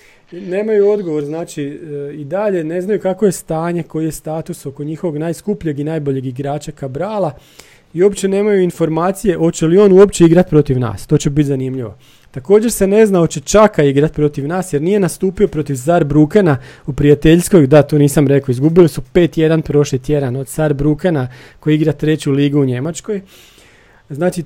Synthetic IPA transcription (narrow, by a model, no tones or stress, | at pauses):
ne̞ːmajuo̞d̪ɡo̞ʋo̞ɾznaːt͡ʃiid̪aʎe̞ne̞znajukako̞je̞st̪aːɲe̞ko̞jje̞st̪aːt̪uso̞ko̞ɲixoʋo̞ɡnaːjskupʎʲeɡinaːjbo̞ʎeɡiɡɾaːt͡ʃakabɾaːlˠa | iuo̞pt͡ɕe̞ne̞ːmajuinfo̞ɾmaːt̪sije̞ʔo̞t͡ɕelio̞ːnuo̞pt͡ʃe̞iɡɾat̪pɾo̞t̪iʋna̰ːst̪o̞ːt͡ɕe̞bit̪zanimʎiʋo̞̰ | t̪ako̞ːd͡ʑe̞ɾse̞ne̞znao̞t͡ɕe̞t͡ʃakaiɡɾat̪̚pɾo̞t̪iʋnaːsjeɾnije̞nast̪uːpio̞pɾo̞t̪iʋs̬aɾbɾukenaupɾijat̪e̞ʎsko̞jd̪at̪oːniːsamɾe̞koizɡubilisupe̞ːt̪je̞d̪anpɾo̞ʃlit̪je̞d̪ano̞d̪̥saɾbɾukenako̞jiɡɾat̪ɾe̞t͡ɕuliːɡuuɲe̞mat͡ʃko̞j | znaːt͡ʃi